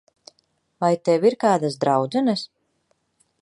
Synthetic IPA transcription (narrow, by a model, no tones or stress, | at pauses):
vajt̪ɛwiɾkaːd̪asd̪ɾawd̪zɛnɨs